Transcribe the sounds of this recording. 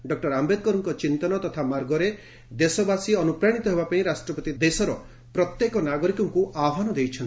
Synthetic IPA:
ɖɔk̚ʈɔɾambed̪̚kɔɾɔŋkɔt͡ʃint̪ɔnɔt̪ɔt̪ʰamaɾɡɔɾe | d̪esɔbasiɔnupɾaɽ̃it̪ɔɦebapaĩɾasʈɾɔpɔt̪id̪esɔɾɔ | pɾɔt̪jekɔnaɡɔɾikɔŋkuʔabʱanɔd̪ejt͡ʃʰɔnt̪i

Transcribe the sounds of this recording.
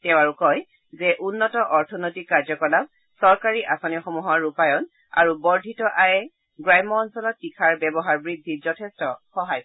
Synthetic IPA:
tɛw̃aɹukɔj | zɛʔunːɔtɔʔɔɹtʰɔnotikːaɹzɔkɔlap̚ | sɔɹkaɹiʔasɔniɔxɔmuɦaɹːupajɔn | a̰ɹubɔɹdʱitɔʔajɛ | ɡɹajmɔːnsɔlɔtːikʰaɹbɛbɔɦaɹbɹidʱːizɔtʰestɔxɔɦaj

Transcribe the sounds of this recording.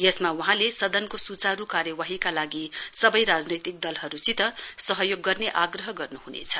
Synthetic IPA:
jʌsmawʌɦãlesʌd̪ʌnkosut͡saɾukaɾjʌwaɦikalaɡisʌbʌjɾad͡znʌjt̪ik̚d̪ʌlɦʌɾusit̪ʌsʌɦʌjoɡːʌrneʔaɡrʌɦʌɡʌrnuhunḛt͡sʰʌ̥

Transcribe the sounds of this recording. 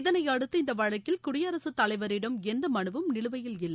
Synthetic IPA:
ɪðɐnɐɪjɐɽɯt̪ːɯɪnd̪ɐʋɐɻɐkːɪlkʊɽɪjɐɾɐsɯt̪ːɐlɐɪʋɐɾɪɽɐmɛnd̪ɐmɐɳɯʋɯmnɪɭɯʋɐjɪlɪlːɐ

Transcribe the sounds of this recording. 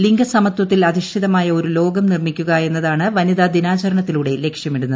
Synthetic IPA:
liŋɡɐsɐmɐt̪wɐt̪ːilɐðiʂʈʰiðɐmaːjɐo̞ɾulo̞ːɡɐmnirmikʲːuɣɐe̞nːɐðaːɳɨʋɐniðad̪inaːt͡ɕɐɾɐɳɐt̪ːiluɽe̞leːkʂjɐmiɽunːɐðɨ

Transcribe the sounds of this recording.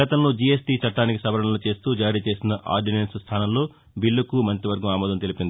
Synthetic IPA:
ɐt̪ɐmnud͡ʒiesʈiːt͡ʃɐʈːaːnikisɐbɐɾɐɳɐmlut͡ʃe̞ːst̪uːd͡ʒaːɾiːt͡ʃe̞ːsinɐʔa̰ːɾɖinensst̪ʰaːnɐmlo̞ː | bilːɐkumɐnt̪ɾiʋɐɾɡɐmaːmɔːd̪ɐmt̪elipind̪ii

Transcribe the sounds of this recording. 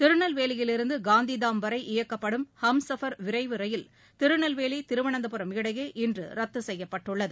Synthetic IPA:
t̪ɪɾɯɳɐlʋeːlɪjɪlɪɾɯnd̪ɯɡaːnd̪iðaːmʋɐɾɐɪʔɪjɐkːɐpːɐɽɯmhɐmsɐfɐɾʋɪɾɐɪʋɯɾɐjɪl | t̪ɪɾɯɳɐlʋeːlit̪ɪɾɯʋɐɳɐnd̪ɐpɯɾɐmɪɽɐjeːʔɪndrɯ̰ɾɐt̪ːɯsɛjːɐpːɐʈːɯɭːɐðɯ

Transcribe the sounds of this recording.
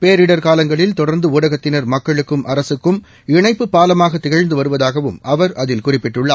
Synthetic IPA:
peːɾɪɽɐɾkaːlɐŋɡɐɭɪlt̪ɔɽɐɾnd̪ɯuːɽɐɣɐt̪ːɪnɐɾmɐkːɐɭɯkːɯmʔɐɾɐsɯkːɯm | ɪɳɐɪpːɯpːaːlɐmaːɣɐt̪ːɪɣɐɻnd̪ɯʋɐɾɯʋɐðaːɣɐʋɯmɐʋɐɾʔɐðɪlkʊrɪpːɪʈːʊɭːaː

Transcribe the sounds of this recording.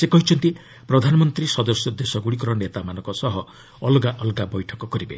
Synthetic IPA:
sekɔɦit͡ʃʰɔnt̪i | pɾɔd̪ʱanɔmɔnt̪ɾisɔd̪ɔsjɔd̪esɔɡuɽikɔɾɔnet̪amanɔŋkɔsɔɦɔː | lɡaʔɔlɡabɔjʈʰɔkɔkɔɾibḛ

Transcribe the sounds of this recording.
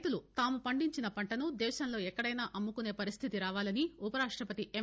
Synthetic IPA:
t̪ulut̪aːmupɐɳɖiɲt͡ʃinɐpɐɳʈɐnud̪ɛːʃɐnlo̞ːɛkːɐɽɐjnaːʔɐmːukune̞ːpɐɾist̪ʰit̪iɾaːʋaːlɐniupɐɾaːʂʈɾɐpɐt̪iʔem

